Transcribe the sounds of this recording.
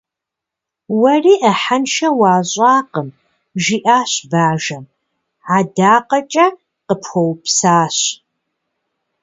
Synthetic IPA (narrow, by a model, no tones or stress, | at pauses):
wɐriːʔɐħanʃɐwaːɕʼaːqəm | ʒiʔaːɕbaːʒɐm | ʕadaːqɐt͡ʃʼɐ | qəpʰxʷowpsaːɕ